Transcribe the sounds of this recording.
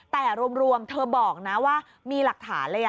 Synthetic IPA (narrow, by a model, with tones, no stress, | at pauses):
t̪ɛː˨˩ɾu˧əmɾu˧əmt̪ʰɤː˧bɔː˨˩k̚na˦˥waː˥˩ | miː˧la˨˩k̚t̪ʰa̰ː˩˦nlɤː˧ja˨